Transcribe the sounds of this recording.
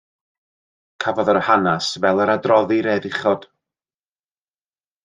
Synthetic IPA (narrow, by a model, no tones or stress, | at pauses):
kʰavɔðɔrhanasvɛlˠəɾadrɔðiɾɛðɪχɔd̥